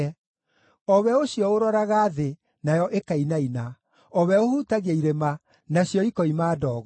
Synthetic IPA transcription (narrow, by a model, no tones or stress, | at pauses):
ɔβɛoɕjɔoɾɔɾaɣaːðe | najɔʔekainaina | ɔβɛohuːtaɣaiɾema | naɕjɔikɔimaːdɔːɣɔ